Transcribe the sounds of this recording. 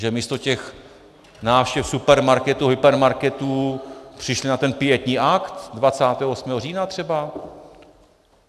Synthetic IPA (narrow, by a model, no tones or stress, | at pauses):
ʒɛmiːst̪o̞cɛx | naːfʃcɛfsupɛɾmaɾkɛt̪uɦɪpɛɾmaɾkɛt̪uːpr̥ɪʃlɪnat̪ɛnpɪjɛt̪ɲiːʔakt̪dvat͡saːt̪ɛːɦoosmɛːɦoriːnat̪r̥ɛba